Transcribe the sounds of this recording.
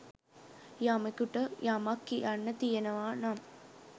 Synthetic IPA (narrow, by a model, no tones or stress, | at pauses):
jamekuʈəjamɐkːijanːət̪ijenɐʋaːnam